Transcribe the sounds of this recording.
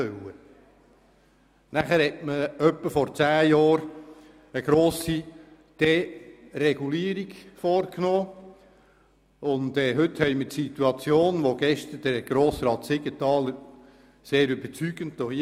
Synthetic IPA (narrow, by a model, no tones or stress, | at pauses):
œwə | næχəɾhɛtməœpːəfɔɾt͡sæːjɑːɾ | əɡɾoːsi | d̥ɛrɛɡuliːɾiɡfɔːɾknoː | ʊndɛːɦʏt̪hɛɪmətsit̪uɑt͡sjoːnʋoɡ̥ɛʃt̪əɾd̥əɾɡ̥ɾoːsɾɑːt̪sɪɡ̥ətɑːləɾ | seːɾʏbət͡syɡ̥əntːohi